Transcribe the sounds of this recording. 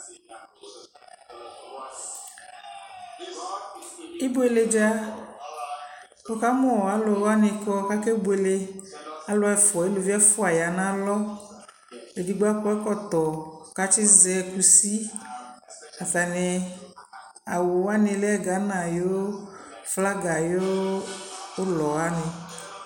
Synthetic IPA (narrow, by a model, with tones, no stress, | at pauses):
ɪ˦bo˦e˨le˦d͡ʒa˦ | o˦ka˦mʊ̃˦ɔ˨a˨˦lʊ˨wa˦nɪ˨kɔ˦ka˦ke˦bo˨˦e˨le˦a˦lʊ˦ɛ˦fɔ˨e˦lo˨vi˦ɛ˦fʊ˦a˨ja˨nã˦lɔ˦ | e˨di˦ɡ͡ba˦kɔ˦ɛ˦kɔ˦t̪ɔ˨ka˦t͡ʃɪ˦zɛ˦ku˦si˦ | a˨ta˨nɪ˨ | a˨wo˨wa˦nɪ̃˨lɛ˦ɛ˦˨ɡa˨˦nã˨jo˦fla˦ɡa˨jo˦ | lɔ˨a˦nɪ˨